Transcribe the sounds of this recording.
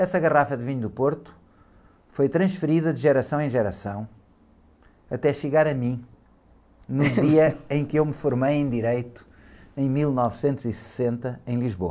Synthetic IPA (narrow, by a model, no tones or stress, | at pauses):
ɛsɐɣɐʁafɐðviɲud̪upoɾt̪u̥ | fojt̪ɾɐ̃ʃfɨɾiðɐðʒɛɾɐsɐ̃w̃ẽj̃ʒɛɾɐsɐ̃w̃ | ɐt̪ɛʃɨɣaɾɐmĩ | nuðiɐẽj̃kewmɨfuɾmejẽj̃d̪iɾejt̪u̥ | ẽj̃milˠnɔvsẽnt̪uzisɨ̥sẽnt̪ɐẽj̃lˠiʒβo̰ɐ